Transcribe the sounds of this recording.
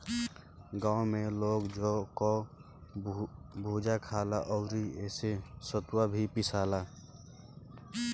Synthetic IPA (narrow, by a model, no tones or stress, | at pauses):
ɡãːʊmeloːɡd͡ʒokɔ | bʱud͡ʒakʰalaʔɔʊɾieːsesət̪wabʱipisaːla